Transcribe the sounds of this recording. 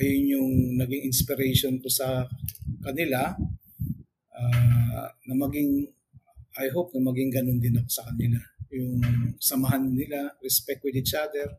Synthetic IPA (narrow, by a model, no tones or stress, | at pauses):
ʔɐjonjʊŋnɐɡɪŋʔɪnspɪɾɛjʃonkosɐ | kɐnɪla | ʔa | nɐmɐɡɪŋ | ʔajɦop̚nɐmɐɡɪŋɡɐnond̪ɪnɐko̞sɐkɐnɪlajʊŋsɐmɐɦanːɪlaɾɛspɛk̚t̪̚wɪd̪ɪt͡ʃad̪ɛɹ